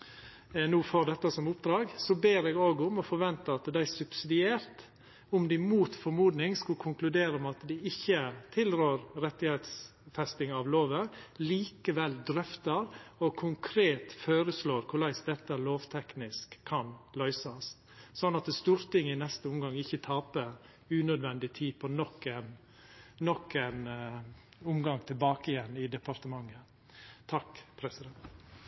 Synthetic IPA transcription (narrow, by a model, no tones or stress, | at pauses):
nuːfod̪ɛt̪ːɑsɔmʊpd̪ɾɑːɡsɔbeːɾɛːɡoːɡʊmɔfɔɾʋɛnt̪əɑt̪d̪æɪsʉbsɪd̪ɪeːɾt̪ | ʊmd̪ɪmuːt̪fɔɾmuːd̪nɪŋskʉlkʰʊŋklʉd̪eːɾəɔmɑt̪d̪ɪɪçːət̪ʰɪlɾøːɾɾɛt̪ːɪhet̪s | fɛst̪ɪŋɑʋloːʋəliːkəʋɛld̪ɾœft̪əɾɔkʰʊŋkʰɾeːt̪føːɾəsloːɾkʰʊɭæɪsd̪ɛt̪ːəloːʋt̪ʰɛknɪskʰːɑnlœʏsɑs | sɔnːɑt̪st̪uːɾt̪ɪŋːɪnɛst̪əʊmɡɑŋɪçːət̪ʰɑːpə | ʉːnœd̪ʋɛnd̪ɪt̪ʰiːpʰɔnɔkːɛn | nɔkːɛn | ʊmɡɑŋt̪ʰɪlbɑːkɪjɛnːɪd̪ɛpɑɾt̪əmɑŋːə | t̪ʰɑkpʰɾɛsɪd̪ɛnt̪